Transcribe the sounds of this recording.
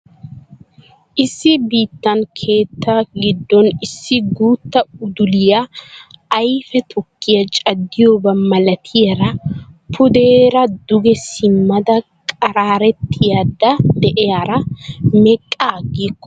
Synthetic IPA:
ʔɪsːɪbiːt̪ːɐnkʰe̞ːt̪ːaɡɪd̪ːɔnɪsːɪɡuːt̪ːɐʊd̪ʊlɪjɐː | jfɛt̪ʰɔkːɪjɐt͡ʃʼɐd̪ːɪjoːbɐmɐlɐt̪ʰɪjɐɾɐpʰʊd̪eːɾɐd̪ʊɡɛsɪmːɐd̪ɐkʼɐɾaːɾɛt̪ːɪjad̪ːɐd̪ɛʔɛɐɾɐmɛkʼːaːɡeːkːɔ

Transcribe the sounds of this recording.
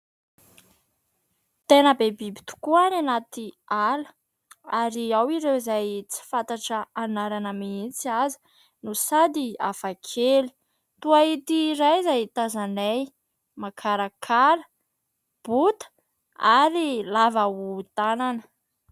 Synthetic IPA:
t̪enəbebibi̥t̪u̥kuananat̪ialə | aɾiawiɾewzajt͡si̥fant̪aʈ͡ʂəanaɾanəmiint͡siazi̥ | nusad̪ia̰fakʰeli̥ | t̪uait̪iɾajzajt̪azanej | makʰaɾakʰalə̥ | b̥ut̪ə̥ | aɾilavaut̪ananə̥

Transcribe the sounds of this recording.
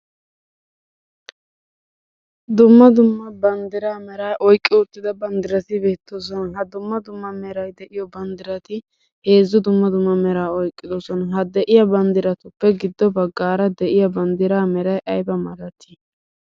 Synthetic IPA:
d̪ʊmːɐd̪ʊmːɐbɐnd̪ɪɾaːmɛɾaːʔɔjkʼːɪʊt̪ːɪd̪ɐbɐnd̪ɪɾɐt̪ɪbeːt̪ːos̬ɔnɦɐd̪ʊmːɐd̪ʊmːɐmɛɾɐjd̪ɛʔɪjɔbɐnd̪ɪɾɐt̪ɪ | he̞ːzːʊd̪ʊmːɐd̪ʊmːɐmɛɾaːɔjkʼːɪd̪ɔsɔnɦɐd̪ɛʔɪjɐbɐnd̪ɪɾɐt̪ʊpːɛɡɪd̪ːɔbɐɡːaːɾɐd̪ɛʔɪjɐbɐnd̪ɪɾaːmɛɾɐjʔɐjbɐmɐlɐt̪ːɪ

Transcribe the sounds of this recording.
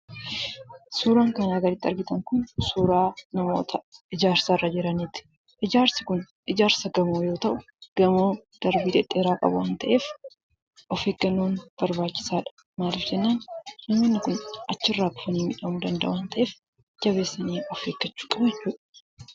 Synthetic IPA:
suːɾaːŋkɐnaːɡɐɾɪt̪ːɪɐɾɡɪt̪ɐŋkʊnsuːɾaːnɐmo̞ːt̪ʰɐɪd͡ʒaːɾsarːad͡ʒɪɾɐniːt̪ɪ̥ | ʔɪd͡ʒaːɾsɪkʊn | ʔɪd͡ʒaːɾsɐɡɐmoːjo̞ːt̪ɐʔʊ | ɡ̥ɐmoːd̪̥ɐɾbiːd̪ɛᶑːe̞ːɾaːkʼɐ̰bʊwaːnt̪ɐʔe̞ːf | ʔɔfeːɡɐnːoːnb̥ɐɾbaːt͡ʃːɪ̥saːᶑɐ̥ | maːlɪfd͡ʒɛnːaːnnɐmːenːɪkʊnʔɐt͡ʃːɪrːaːɡʊ̥fɐnɪmɪᶑɐmʊd̪ɐnd̪ɐ̰ʔʊnt̪ʰɐʔeːf | d͡ʒɐβe̞ːsːɐniːɔfheːɡːɐt͡ʃːu̥ːkʼɐbd͡ʒɛt͡ʃːuːᶑɐ̥

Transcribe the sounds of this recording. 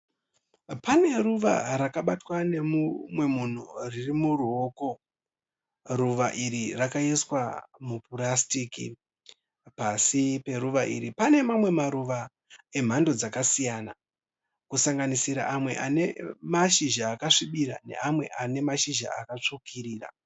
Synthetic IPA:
pane̞ruʋa̰ɾakaɓatwane̞mumwe̞mun̤uririmuruoːko̞ | ruʋaʔiɾirakaiswamupurastiːkḭ | pasipe̞ɾuʋaʔḭɾipane̞mamwe̞maɾuʋa | e̞m̤ando̞d͡zakasijana | kusaŋɡanisiɾa̰ʔamwe̞̰ʔane̞maʃiʒaːkaʂiɓiɾa̰ne̞̰amwe̞ʔane̞maʃiʒa̰akat͡ʂokʰiriːra̰

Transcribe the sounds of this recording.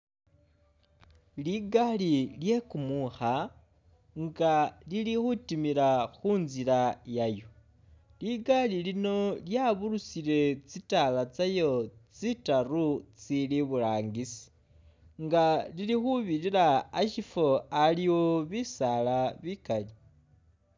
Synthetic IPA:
liɡalilje̞kumuxa | ŋɡalilixutimiɾaxunziɾajajo̞ | liɡalilino̞ljaβuɾusiɾe̞t͡sitalat͡sajo̞t͡sitarut͡siliβulaːŋɡisi̥ | ŋɡalilixuβiɾiɾaaʃifo̞aliwoβisalaβikali

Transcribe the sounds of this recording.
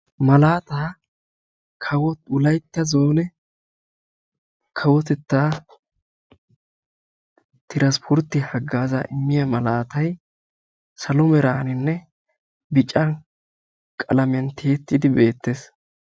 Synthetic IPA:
mɐlaːt̪aː | kʰɐwɔʊlɐjt̪ːɐzo̞ːnɛ | kʰɐwɔt̪ɛt̪ːaː | t̪ɪɾɐspʰɔɾt̪ːɪhɐɡːaːzaːʔɪmːɪjɐmɐlaːt̪ɐj | sɐlɔmɛɾaːnɪnːɛ | bɪt͡ʃʼɐ | kʼɐlɐmɪɐnt̪ʰeːt̪ːɪd̪ɪbe̞ːt̪ːes

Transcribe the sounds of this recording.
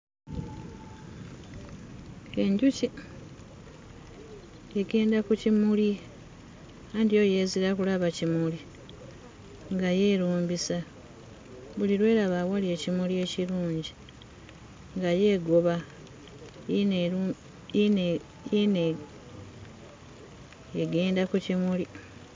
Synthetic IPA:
e̞ɲɟuci | eɡe̞ːndakucimuli | andijo̞je̞ːziɾakulaβacimuli | ŋɡaje̞ːɾuːmbisa | βuliɾwe̞ːɾaβawalie̞cimulie̞ciɾuːɲɟi | ŋɡaje̞ːɡo̞βa | n | jen | eɡe̞ːndakucimuli

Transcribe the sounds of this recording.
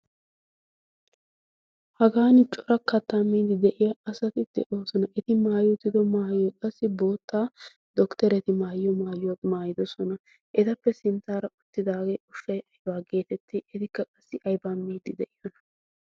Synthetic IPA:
hɐɡaːnɪt͡ʃʼɔɾɐkːɐt̪ːamːiːd̪ɪd̪ɛʔɪjɐɐsɐt̪ɪd̪̥ɛ̰ʔoːsɔnɐʔɛt̪ɪmaːjot̪ːɪd̪ɔmaːjɔjkʼɐsːɪbo̞ːt̪ːaː | d̪ɔkt̪ɛɾɛt̪ɪmaːjɔmaːjʊwamaːjɪd̪ɔsɔnɐ | ʔɛt̪ɐpːɛsɪnt̪ːaːɾɐʔʊt̪ːɪd̪aːɡeːʔʊʃːɐjʔɐjbaːɡe̞ːt̪ɛt̪ːɪʔɪt̪ɪkːɐkʼɐsːɪʔɐjbaːmːiːd̪ɪd̪ɛʔɪjɔnɐ̥

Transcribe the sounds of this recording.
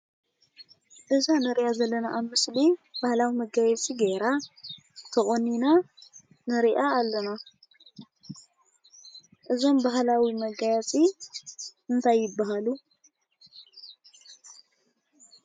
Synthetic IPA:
ʔɨzanɨɾiʔazɐlːɐnaʔːβmɨslib̥ahlawimɐɡajɛt͡sʼiɡeɾa | t̪ʰɐχʼonːina | nɨɾiʔaːlːɐna | ʔɨzo̞mbaɦlawimɐɡajat͡sʼi | ʔɨnt̪ʰajːɪbːaɦalu

